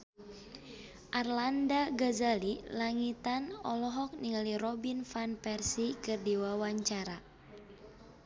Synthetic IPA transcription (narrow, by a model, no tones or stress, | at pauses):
ʔarlandaɡazalilaŋit̪anɔlɔɦɔk̚niŋaliɾɔbinfanpɛrsikɨrdiwawaɲt͡ʃaɾa